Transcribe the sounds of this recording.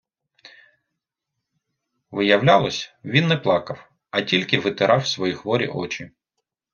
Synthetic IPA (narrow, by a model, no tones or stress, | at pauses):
ʋɪjɐwlʲalˠɔsʲʋʲinːɛplˠɑkɐw | ɐtʲilʲkɪʋɪt̪ɪɾʔɑwsʋɔjixʋɔɾʲḭʔɔt͡ʃʲi